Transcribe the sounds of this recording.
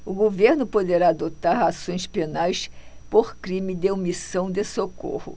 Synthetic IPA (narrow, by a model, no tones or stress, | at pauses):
ʊɡoveɾnʊpod̪eɾaːd̪ot̪aɾasõj̃spenajspoχkɾĩmɪd̪eomisɐ̃w̃d̪esoko̰hʊ̰